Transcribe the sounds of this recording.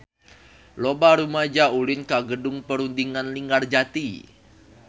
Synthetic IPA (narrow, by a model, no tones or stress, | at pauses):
lobaɾumad͡ʒaulɪnkaɡədʊŋpəɾundiŋanliŋɡard͡ʒat̪i